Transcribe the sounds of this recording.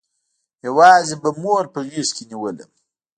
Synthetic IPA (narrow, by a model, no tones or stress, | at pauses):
jawɑːzebamoɾpəɣiskeniwələ̰